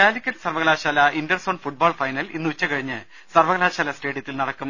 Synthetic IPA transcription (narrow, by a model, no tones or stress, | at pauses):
aːlikʲːɐnsɐrʋɐɣɐlaːɕaːlɐindɐrsoːɳɖfuʈ̚baːɭfɐjnɐlḭnːɨut͡ɕːɐkɐɻiɲːɨ | sɐrʋɐɣɐlaːɕaːlɐsʈe̞ːɽjɐt̪ːilnɐɽɐkːum